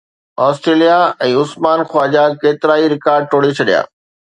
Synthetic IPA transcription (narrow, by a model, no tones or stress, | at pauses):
ɔːsʈɾeːlijaɛ̃ːʊsmaːnxwaːd͡ʑakeːt̪ɪɾaːiɾɪkaːɾɖ̚ʈ̪ʰoːɽet͡ɕʰɐɗija̰ː